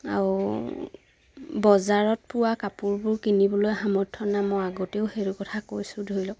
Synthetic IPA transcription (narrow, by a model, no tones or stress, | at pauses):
a̰ɹu | bɔzaɹɔt̚pʊwakapuɹbʊɹkinibɔlojɦamɔtʰːɔnamɔjaɡoteʊxeɹukɔtʰakojsʊdʱoɹilɔ